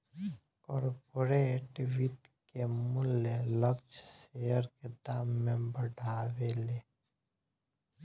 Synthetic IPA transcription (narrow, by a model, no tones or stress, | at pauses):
kɔːɾpoɾeʈiʋit̪kemʊleləkt͡ʃsejəɾked̪aːmːẽbəɖʱaːweleː